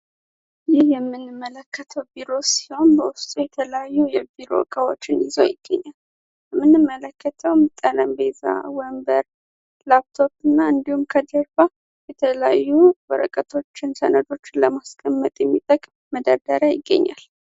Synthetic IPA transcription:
jɪhjɛmːɨnːɨmːələkːət̪ʰəwbiɾo̞si̥ho̞nbəwʊst̪ʼujɛt̪ʰələjajːujɛbiɾo̞̰kʼəwo̰t͡ʃːɪnɪzo̰jɪɡ̥ːə̰ɲːal | jɛmːɨnːɨmːələkːət̪ʰəwmt̪ʼələmbeza̰wəmbəɾ | lap̚t̪ʰo̞pɨnːaɨnd̪ihumkʰəd̪əɾfa | jɛt̪ʰələjajːubəɾəkʼət̪ʰo̞t͡ʃːɪnsə̰nəd̪o̞t͡ʃːɪnləmaskʼəmːət̪ʼjɛmːit̪ʼəkʼmməd̪əd̪əɾajɪɡːə̰ɲːa̰l

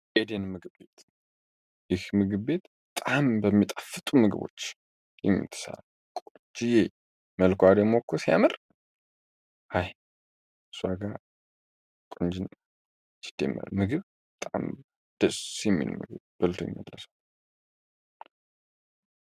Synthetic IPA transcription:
ed̪enmɨɡɨβbe̞t̪ʰ | jɪhmɨɡɨβbe̞t̪bət̪ʼambəmːit̪ʼafːɨt̪ʼumɨɡɨβo̞̰t͡ʃː | jɛmːḭt̪ʰːɨ̥sa̰l | kʼo | d͡ʒije | məlkʷad̪emokʰːosija̰mɨr | haj | swaɡa | kʼond͡ʒɪn | t͡ʃɨ̥d̪̥ḛmːə̰ɾmɨɡɨβ | bət̪ʼa̰m | d̪̥əsjɛmːḭnṵmɨ̰ɡɨ̰βb̥əlt̪ʰojɛmːəlːəsa

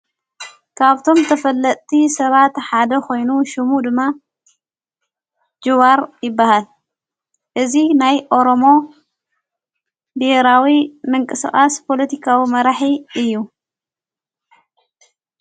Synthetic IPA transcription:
kʰaβt̪ʰo̞mt̪ʰɐfɐlːɐt̪ʼt̪ʰisɐβat̪ħad̪ɐkʰo̞jnuʃɪmud̪ɨmːa | d͡ʒɨβaɾjɪbːahal | ʔɨzinajʔo̞ɾo̞mo̞ | biheɾawimɨŋkʼɨskʼaspʰo̞lɐt̪ʰikʰawimɐɾaħiɨjːu

